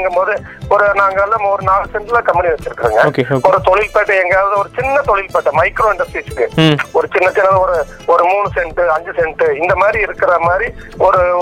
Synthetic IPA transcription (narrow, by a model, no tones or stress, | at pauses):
ŋɡɯmpoːðɯ | ɔɾɯnaːŋɡɐɛlːaːmɔɾɯnaːlɯsɛɳʈlãːkɐmːbɪniʋɛt͡ʃːɪɾɯkːɪɾiːŋɡɐkeɔɾɯt̪ɔɭɪlpeːʈːɐɛŋɡɐjaːʋɐðɯɔɾɯt͡ʃɪnːɐt̪ɔɭɪlpeːʈːɐmɐɪkɾoːɛɳɖɐsisɯ̥kːɯɔɾɯt͡ʃɪnːɐt͡ʃɪnːɐðɔɾɯ | ɔɾɯmuːɳɯsɛɳʈɯɐɲd͡ʒɯsɛɳʈɯɪnd̪ɐmaːd̪ɾiɪɾɯkːɪɾɐmaːd̪ɾi | ɔɾɯ